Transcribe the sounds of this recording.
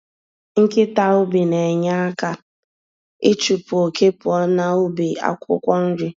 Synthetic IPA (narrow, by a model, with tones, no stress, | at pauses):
ŋ̩˦kɪ˦ta˨ʊ˦bi˨ne˨ɲa˦a˦ka˦ | ɪ˦t͡ʃu˨po˨ke˦pʊ˨ɔ˦na˦ʊ˦bi˨a̰˨kʷʰʊ̰˦kʷɔ˦n̩˦ɾi˦